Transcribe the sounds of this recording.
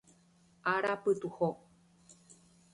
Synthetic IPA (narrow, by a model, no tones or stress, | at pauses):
ʔaɾapɨt̪uho